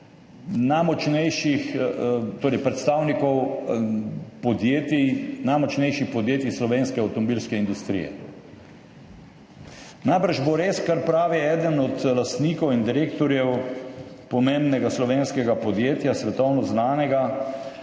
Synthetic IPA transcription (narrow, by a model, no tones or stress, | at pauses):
najmɔt͡ʃnɛjʃixt̪oːɾɛɪjpɾɛt̪st̪aːwnikɔw | pɔd̪jeːt̪inajmɔt͡ʃnɛjʃixpɔd̪jeːt̪islɔʋeːnskɛawt̪ɔmɔbiːlskɛind̪ust̪ɾḭjɛ̰ | najbəɾʒboɾeːskaɾpɾaːʋiɛːd̪ənɔt̪last̪niːkɔwind̪iɾeːkt̪ɔɾjɛw | pɔmembnɛɡaslɔʋeːnskɛɡapɔd̪jeːt̪jasʋɛt̪ɔwnɔznaːnɛɡa